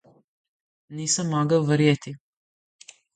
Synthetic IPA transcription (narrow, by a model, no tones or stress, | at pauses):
niːsamːaɡaʋɾjet̪i